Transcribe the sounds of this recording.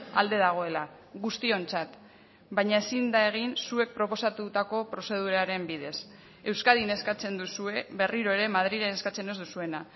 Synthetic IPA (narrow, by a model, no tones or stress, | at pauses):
a̰ld̪e̞ðaɣ̞o̞e̞la | ɣust̪io̞nt͡sat̪ | baɲae̞sind̪ae̞ɣ̞insue̞k̚pɾo̞po̞sat̪ut̪ako̞pɾo̞se̞ð̞uɾaɾe̞mbið̞e̞s | e̞wskaðine̞skat͡se̞nd̪usue̞βe̞riɾo̞eɾe̞mað̞ɾiɾeneskat͡se̞ne̞zd̪usue̞na